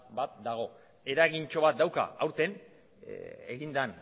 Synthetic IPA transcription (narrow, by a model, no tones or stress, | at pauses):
bat̪̚d̪aɣ̞o̞ | e̞ɾaɣint͡ʃo̞βat̪̚d̪awka̰awɾt̪e̞n | eɣind̪an